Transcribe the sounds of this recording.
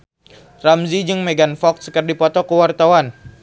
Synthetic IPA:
ramzid͡ʒɨŋmeɡanfɔk̚sə̥kərdipɔt̪ɔkəwart̪awan

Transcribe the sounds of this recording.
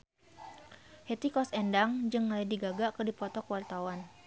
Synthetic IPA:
het̪ikɔsɛndaŋd͡ʒɨŋːaladiɡaɡaʔkədipɔt̪ɔkəwart̪awan

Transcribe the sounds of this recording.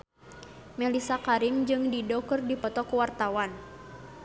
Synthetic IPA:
mɛlisakaɾimd͡ʒɨŋdidɔkɨrdipɔt̪ɔkuwart̪awan

